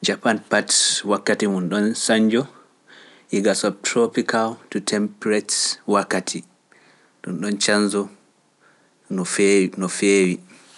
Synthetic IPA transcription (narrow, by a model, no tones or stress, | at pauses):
d͡ʒapanpatwakːatimunɗɔnsaɲd͡ʒɔ | ʔiɡasɔtɾɔpikʰaltutʰɛmpɾɛtwakːatʰi | ɗunɗɔnt͡ʃanzɔ | nɔfnɔfeːwi